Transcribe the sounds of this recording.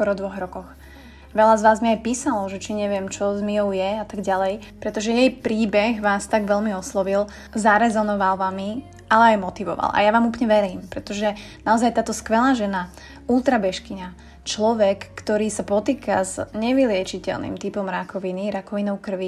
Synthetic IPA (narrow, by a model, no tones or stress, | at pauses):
skɔɾɔd̪ʋɔɣɾɔkɔx | ʋɛʎazʋaːzmiajpiːsalɔʒɛt͡ʃiɲɛʋɪɛmt͡ʃɔzmiɔʊjɛat̪aɡɟalɛjpɾɛt̪ɔʒɛjɛjpɾiːbɛɣʋaːst̪aɡʋɛlmiɔslɔʋil | zaɾɛzɔnɔʋalʋami | ʔalɛajmɔt̪iʋɔ̰ʋa̰lʔa̰jaʋaːmuːp̬lɲɛʋɛɾiːmpɾɛt̪ɔʒɛnaɔzajt̪aːt̪ɔskʋɛlaːʒɛna | ulˠt̪ɾabɛʃkiɲa | t͡ʃlɔʋɛkːt̪ɔɾiːsapɔt̪iːkazɲɛʋilɪɛt͡ʃicɛ̰lnḭmt̪ipɔmɾakɔʋiniɾakɔʋinɔʊkr̩ʋi